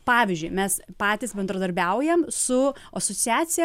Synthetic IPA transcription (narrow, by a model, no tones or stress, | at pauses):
pɑːʋʲɪzʲd͡ʒʲʊɪmʲɛspɑːt̪ʲɪsbʲɛnd̪ɾɐd̪ɐɾʲbʲɛʊjɛmsʊ | ɐsosʲɪæːsʲɪjɛ